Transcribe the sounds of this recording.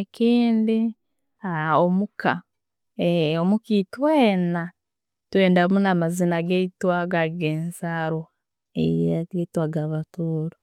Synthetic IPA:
kiːndi | aomuka̰ | eomukituweːna | tweːndamunamazinaɡeitwaɡaiɡeːnsaɾo | ḛjaɡetwaɡaβatuːɾo

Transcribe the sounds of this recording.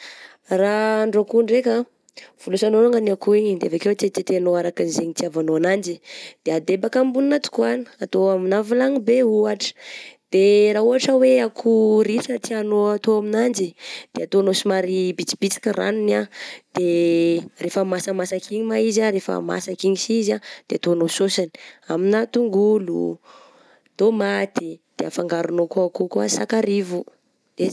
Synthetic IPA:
raɳɖ͡ʐokuɳɖ͡ʐekə | v̥ulusanoɾaŋanakuiɲid̪ea̰vakewet̪et̪et̪eanoaɾakinzeɲit̪iavanoanand͡ʒid̪̥ead̪ebakambuninat̪u̥kuani̥at̪oaminavilaŋibeuaʈ͡ʂə̥d̪̥eɾauɦaʈ͡ʂəweakʰuɾisət̪ianoat̪oaminand͡ʒid̪̥eat̪onosimaɾibit͡si̥b̥it͡si̥kʲəra̰nunad̪̥e | refəmasəmasakʰiɲimaizaɾefə̰ma̰sakiɲisizad̪̥eat̪oanososani̥aminat̪uŋɡulṵ | d̪̥omat̪id̪̥eafaŋɡaɾunokuakukuasakaɾivu | de

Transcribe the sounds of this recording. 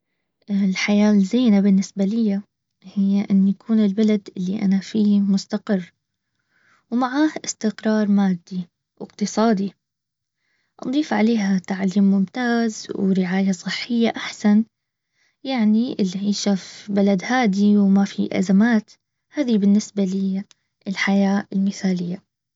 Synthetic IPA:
ʔlħajaːlzeːnabɪnːɪsbalɪjːa | hɪjːaʔɪnːjakʰuːnɪlbalad̪ʔɪlːiʔa̰nafiːmʊst̪aqɪrː | wmaʕaːhʔɪst̪ɪqɾˤɑːɾˤmaːd̪ːi | wʔɪ̰q̚t̪ɨsˤɑːd̪i | ʔɑ̰d̪ˤiːfʕaleːhat̪aʕaliːmːʊmt̪aːzwɾɪʕaːjasˤɨħːɪjːaʔaħsan | jaʕniʔɪlːiʕiːʃafbalad̪haːd̪iwmafḭʔa̰zamaːt̪ | haːðibɪnːɪsbalɪ | ɪlħajaːɪlmɪθaːlɪjːa

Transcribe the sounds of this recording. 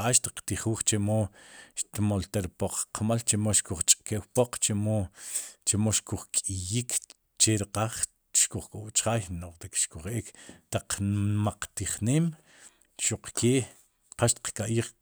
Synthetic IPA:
aːʃt̪i̥qt̪iχuːχt͡ʃemoʃt̪molt̪aɾpoq͡χqʰmalt͡ʃemoʃkuχt͡ʃʼkeʔwpoq͡χt͡ʃemot͡ʃemoʃkuχkʼijikʰ | t͡ʃeɾiqaχ | ʃkuχkʼowt͡ʃʼχaːjnoχt̪ikʃkuχekt̪aq͡χmaq͡χt̪iχneːm | ʃuqkʰeːʔ | qaʃt̪i̥qkʼaʔjiːχ

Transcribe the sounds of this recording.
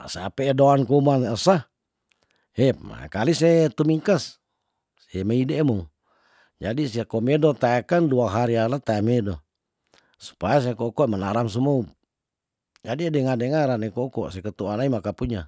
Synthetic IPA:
seapeːdoankuumanəsa | hɛma̰kalisɛt̪umiŋkasː | ɛmaidemɔŋ | d͡ʒadisiakomedot̪aekanduaɦaɾialat̪aɛmedo | su̥pajas̬eakɔkɔmanaɾams̬umou | d͡ʒadiedɛŋadɛŋaɾanekokɔsɛkət̪uanaimakapuɲa

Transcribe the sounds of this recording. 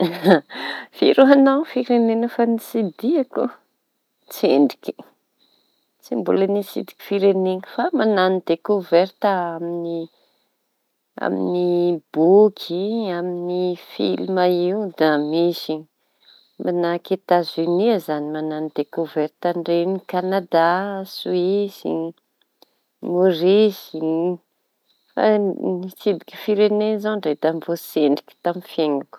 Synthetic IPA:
fiɾuanawfiɾenenəfanisid̪iakṵ | t͡sḛɳɖ͡ʐi̥kʲi̥ | t͡simbulənisḭd̪i̥kʲi̥fiɾeneŋifamananid̪̥ekoveɾt̪aamini | a̰mḭnib̥okʰiaminifḭlmaiud̪amisi | mʔanaket̪aziniazanimananid̪̥ekoveɾt̪aɳɖ͡ʐenikanad̪asuisḭ | morizi | fa̰nisid̪iki̥fiɾenezaɳɖ͡ʐet̪amvoseɳɖ͡ʐi̥ki̥t̪amifeŋaku̥

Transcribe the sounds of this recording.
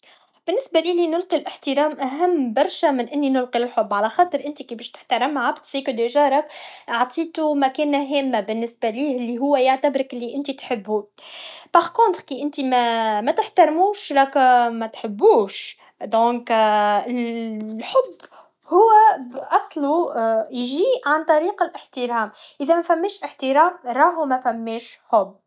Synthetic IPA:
b̥ɪnːɪsbæliːlinʊlqilʔɪħt̪ɪɾɑːmʔæɦæmːbɑɾˤʃæmɪnʔɪnːinʊlqilɪlħʊbːʕalæxɑːt̪ˤəɾʔɪnt̪ikibɛːʃt̪ə̥ħt̪ɑɾˤɑmːʕabt̪siːkʊd̪eʒɑːɾˤɑkʕt̪ˤʰiːt̪umækɛːnæɦɛːmːæbɪnːɪsbæliːhʔɪlːiɦʊwːæjaʕt̪abɾɪkʔɪlːiʔɪnt̪it̪ħɪbːu | b̥aʁkont̪ɾkiːʔɪnt̪imæmæt̪əħt̪ɑɾˤmuːʃɾˤɑkmæt̪ħəbːuːʃ | d̪õːkllħʊbː | hʊwːæʔɑsˤlujʒiːʕant̪ˤɑɾiːqɪlʔɪħt̪iɾɑːmʔɪðɛmæfæmːɛːʃʔɪħt̪iɾɑːmɾˤɑːɦumæfæmːɛːʃħʊbː

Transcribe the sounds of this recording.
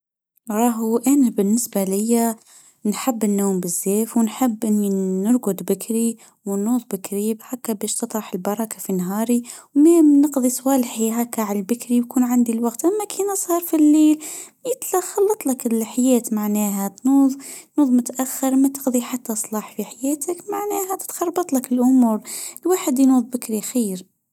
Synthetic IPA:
ɾˤɑːɦʔanabɪnːɪsbalɪjːa | nħɪbːɪnːoːmbɪzːeːfwɪnħɪbːʔɪnːinʊɾɡʊd̪bɪkɾi | wnːuːðˤbɪkɾibhakːabeːʃt̪ɨt̪ˤɾɑħɪlbɑɾˤɑkafinɦɑːɾiwmamnɪqðˤisˤwaːlħiɦakːaʕalbɪkɾibkuːnʕand̪ilwaɡt̪ʔamːakʰeːnɑsˤɑɾˤfilːeːl | jɪt̪laxɑlːɑt̪ˤlakɪlħajeːt̪maʕneːɦat̪nuːðˤt̪nuːðˤmʊt̪ʔaxːɪɾˤmat̪ɪ̥qðˤiħat̪ːasˤlɑːħfiħajeːt̪akmaʕneːhat̪ɪ̥t̪xɑrˤːbɑt̪ˤlakɪlʔʊmuːɾlwaːħɪd̪jnuːðˤbɪkɾiʔxiːɾ

